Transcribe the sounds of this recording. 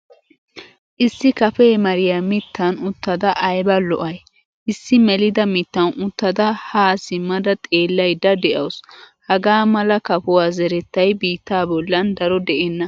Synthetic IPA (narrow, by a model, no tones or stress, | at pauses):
ʔɪsːɪkɐfeːmɐɾɪjaːmɪt̪ːɐnʊt̪ːɐd̪ɐʔɐjbɐlɔ̰ʔɐj | ʔɪsːɪmɛlɪd̪ɐmɪt̪ːɐnʊt̪ːɐd̪ɐhaːsɪmːɐd̪ɐt̪ʼe̞ːlːɐjd̪ɐd̪ɛʔɐwshɐɡaːmɐlɐkɐpʊwaːzɛɾɛt̪ːɐjbiːt̪ːaːbɔlːɐnd̪ɐɾɔd̪ɛʔɛnːɐ